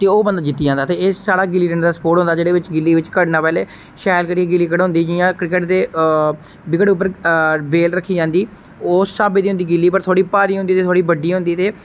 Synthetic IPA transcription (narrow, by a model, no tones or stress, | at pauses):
t̪eːoːbənd̪aːd͡ʒɪt̪ːiːd͡ʒãːnd̪aːt̪eːɪssaːɽaːɡɪliːʈənd̪aːspoːʈɦʊ̃nd̪aːd͡ʒeːɽeːʋɪt͡ʃɡɪlːiːʋɪt͡ʃkəɽnaːpɛːleː | ʃɛːlkəɽiːeɡɪlːiːkəɽɦʊ̃nd̪iːd͡ʒiːjãːkɾɪkəʈd̪eː | bɪkəɽʊp̬ːəɾbeːlɾəkʰːiːd͡ʒãːnd̪iː | oːsaːbeːd̪iːʊ̃nd̪iːɡɪlːiːpəɾt̪ʰoːɽiːpaːɾiːɦʊ̃nd̪iːt̪eːt̪ʰoːɽiːbəɖiːɦʊ̃nd̪iːt̪eː